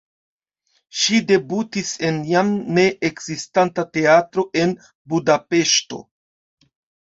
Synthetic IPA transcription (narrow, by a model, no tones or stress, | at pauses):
ʃide̞butise̞njamne̞ʔekz̥istantate̞atɾo̞ʔe̞n | budape̞ʃto̞̰